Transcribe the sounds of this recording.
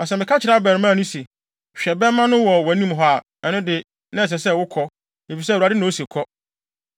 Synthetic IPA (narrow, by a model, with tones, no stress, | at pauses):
ɔ˨s̬ɛ˨mɪ̃˨kʰa˦t͡ɕʰɪ˨nã˦bɛ˨ɾɪ˨mãː˦˨nʊ̃˦se˨ | ɕᶣɛ˨bɛ˦mã˦nʊ̃˦wɔ˨wæ˨nĩ˦mɦɔ˦a˨ | ɛ˨nʊ̃˦dɪ˨ | nã˦ɛ˨s̬ɛ˨sɛ˦wʊ˦kʰɔ˦ | e˨fi˨s̬ɛ˦˨ɾa˨dɪ˦nã˨˦o˦se˨kʰɔ˦